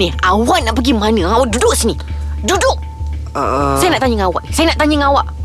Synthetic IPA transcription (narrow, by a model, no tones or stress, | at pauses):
niawaʔnaʔpəɡimanəŋawaʔdudʊksinidudʊʔ | sajanaʔt̪aɲəŋawa̰ʔnisajanaʔt̪aɲəŋawaʔ